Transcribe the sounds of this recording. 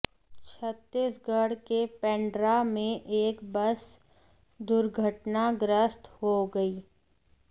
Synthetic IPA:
t͡ʃʰət̪ːiːsɡəɽkepɛ̃ːɳɖɾamẽʔeːkbəs | d̪ʊɾɡʱəʈnaɡɾəst̪ɦoɡɐiː

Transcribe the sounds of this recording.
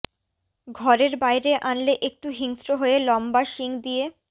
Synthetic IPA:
ɡʱɔɾeɾbajɾeʔanleʔek̚ʈuɦiŋsɾoɦoelɔmbaʃiŋd̪ije

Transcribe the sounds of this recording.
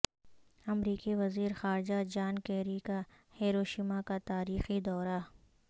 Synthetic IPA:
ɐmɾiːkiʋɐziːɾxaːɾd͡ʒad͡ʒaːnkɛːɾika | heːɾoːʃiːmakat̪aːɾiːxid̪ɔːɾa

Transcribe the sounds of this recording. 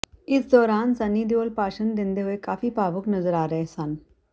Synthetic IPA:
ɪsd̪ɔːɾaːnsɐniːd̪oːlpaːʃənd̪ɪ̃nd̪eɦʊekaːfipaːʋʊknɐzəɾaːɾɐɦesan

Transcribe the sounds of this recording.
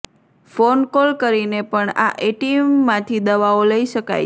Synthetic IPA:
fonkolkəɾinepəɳa̰ʔeʈimːãt̪ʰid̪əʋaoləiʃəka̰j

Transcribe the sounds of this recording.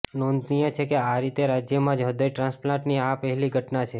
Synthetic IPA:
nond̪nijət͡ʃʰekeaɾit̪eɾad͡ʒjəmãd͡ʒɦəd̪əjʈɾãnsplãɳʈniapəɦɛliɡʱəʈnat͡ʃʰe

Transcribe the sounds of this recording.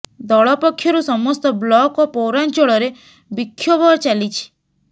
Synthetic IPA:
d̪ɔɭɔpɔkʰːjɔɾusɔmɔst̪ɔblɔkopɔwɾant͡ʃɔɭɔɾe | bikʰːjɔbʱɔɾt͡ʃalit͡ʃʰi̥

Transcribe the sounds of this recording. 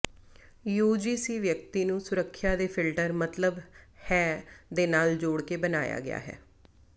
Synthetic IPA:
juːd͡ʒiːsiːʋjək̚t̪iːnũːsʊɾəkʰːjaːd̪eːpʰɪlʈəɾmət̪ləbhɛːd̪eːnaːld͡ʒoːɽkeːbənaːja̰ːɡɪ̰ja̰ːɦɛ̰ː

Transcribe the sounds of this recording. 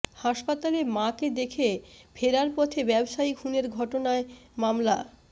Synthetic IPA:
haʃpat̪alemaked̪ekʰebʰʱeɾaɾpɔt̪ʰebɛbʃaiɡʰʱuneɾɡʱɔʈonaemamla̰

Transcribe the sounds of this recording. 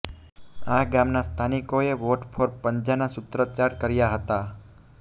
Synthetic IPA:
aɡamnast̪ʰanikoeʋoʈfʰoɾpəɲd͡ʒanasʊt̪ɾət͡ʃaɾkəɾjaɦət̪a

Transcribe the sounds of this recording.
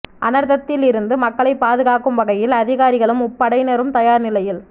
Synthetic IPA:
ʔɐ̰nɐɾðɐt̪ːɪlɪɾɯnd̪ɯmɐkːɐɭɐɪpːaːðɯɣaːkɯmʋɐɣɐjɪlɐðɪɣaːɾɪɣɐɭɯmʊpːɐɽɐɪnɛɾɯmt̪ɐjaːɾnɪlɐjɪl

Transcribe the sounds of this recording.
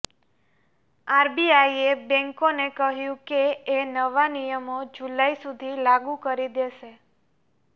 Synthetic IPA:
aɾbiaiebɛ̃ŋkonekəɦjũkeːnəʋanijəmod͡ʒulaisud̪ʱilaɡũkəɾid̪eʃe

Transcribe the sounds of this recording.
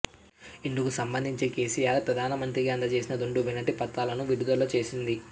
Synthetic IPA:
iɳɖukusɐmbɐnd̪ʱiɲt͡ʃeːke̞ːsijaːɾpɾɐd̪ʱaːnɐmɐnt̪ɾiɡaɐnd̪ɐt͡ʃe̞ːsinɐd̪uɳɖubinɐʈːipɐt̪ːaːlɐnuʋiɽud̪ɐloːt͡ʃe̞ːsind̪i

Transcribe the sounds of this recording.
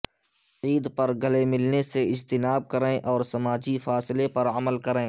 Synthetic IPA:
iːd̪pɐɾɡəlemɪlneseɪd͡ʒt̪ɪnaːb̚kəɾẽːʔɔːɾsɐmaːd͡ʒifaːslepɐɾəməlkəɾẽː

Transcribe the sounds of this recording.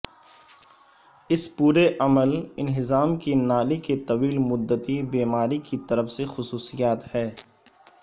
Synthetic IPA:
ɪspuːɾeʔɐməlɪnɦɪzaːmkenaːliket̪ɐʋiːlmʊd̪ːət̪ibeːmaːɾikit̪ɐɾəfsexʊsuːsijaːt̪hɛː

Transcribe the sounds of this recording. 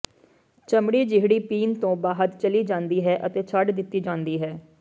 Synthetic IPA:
t͡ʃəmɽiːd͡ʒɪɦɽiːpiːnt̪õːbaːɦət̪t͡ʃəliːd͡ʒãːnd̪iːɦɛːʔət̪eːt͡ʃʰəɖd̪ɪt̪ːiːd͡ʒãːnd̪iːɦɛː

